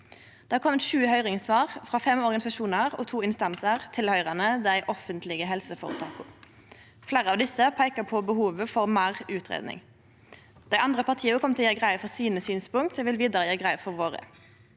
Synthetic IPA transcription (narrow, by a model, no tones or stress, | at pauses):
d̪̥ɛːkʰɔmːɛt̪ʃʉːhœʏʁɪŋsʋɑːʁfʁɑːfɛmɔʁɡɑnɪsɑʃuːnəʁɔt̪ʰuːɪnst̪ɑnsəʁt̪ʰɪlhœʏʁɑnəd̪æɪʔɔfənt̪lɪɡəɦɛlsəfoːʁət̪ʰɑːkʊ | flæːʁəɑʋd̪ɪsəpʰæɪkəpʰɔbəhuːʋəfɔʁmæːʁʉːt̪ʰʁḛːd̪nɪ̰ŋ | d̪̥æɪʔɑnd̪ʁəpɑʁt̪ʰiːəəkʰɔmt̪ʰɪljɛːɡʁæɪəfɔʁsiːnəsyːnspʊŋt̪sɛʋɪlʋiːd̪ɑʁəjæːɡʁæɪəfɔʁʋoːʁə̰